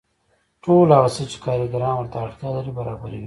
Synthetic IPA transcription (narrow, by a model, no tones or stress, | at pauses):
ʈoːlaːɣɐsət͡ʃi̥kaːɾiɡaɾɑ̃ːnwɐɾt̪aːɽt̪jalɐɾibɐɾaːbɐɾiwi